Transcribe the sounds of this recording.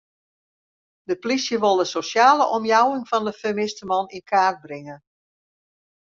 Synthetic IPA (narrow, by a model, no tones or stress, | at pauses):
dəplisjəʋolˠdəsosjaːləʔɔmjawɪŋfɔndəfəmɪstəmɔninkʰaːrt̚brɪŋən